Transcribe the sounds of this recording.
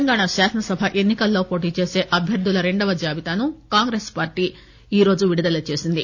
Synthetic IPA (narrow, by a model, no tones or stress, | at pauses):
ɐŋɡaːɳaʃaːsɐnɐsɐbʱaʔe̞nːikɐlːo̞ːpo̞ːʈ̬iːt͡ʃe̞ːse̞ːʔɐbʱjɐɾd̪ulɐɾe̞ɳɖɐʋɐd͡ʒaːbit̪aːnukaːŋɡɾe̞ːspaːɾʈiː | iːɾo̞ːd͡ʒuʋiɽid̪ɐlɐt͡ʃe̞ːsind̪i